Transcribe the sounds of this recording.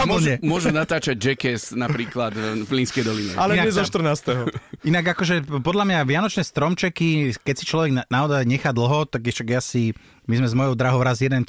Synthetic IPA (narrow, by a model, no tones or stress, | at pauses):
uml̩ɲɛmʊɔʒunat̪aːt͡ʃaɟ̚d͡ʒɛkɛsnapɾiːklad̪vliːnskɛjd̪ɔliɲɛʔalɛnaɛzɔʃt̪r̩naːst̪ɛɦɔinaɡakɔʒɛpɔd̪lamɲaʋɪanɔt͡ʃnɛst̪ɾɔmt͡ʃɛkikɛcsit͡ʃlɔʋɛɡnaɔzajɲɛxaːd̪l̩ɦɔt̪aɡʃaɡjasi | mizmɛzmɔjɔʊd̪ɾaɦɔʊɾazjɛd̪ɛn